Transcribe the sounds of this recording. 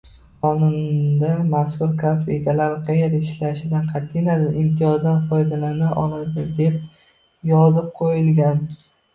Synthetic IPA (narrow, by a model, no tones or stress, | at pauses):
qɒnʊnd̪amaskʊɾkʲʰaspeɡʲalaɾqʰejaɾɪʃlaʃɪd̪anqʰɑt̪ʰːinad̪ɪʔɪmt̪ʰɪjɒzd̪anfɒjd̪alanɪʔɒlad̪ɪd̪e̞p̚ | jɒzɪp̚qʰojɪlɡʲan